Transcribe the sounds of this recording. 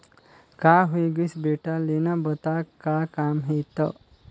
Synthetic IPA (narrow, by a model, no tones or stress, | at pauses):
kaɦujɡusbeʈalenabət̪akːakaːmɦet̪ə̰